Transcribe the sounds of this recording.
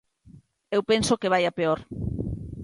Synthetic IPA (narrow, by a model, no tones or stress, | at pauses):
ewpensokeβ̞ajapeoɾ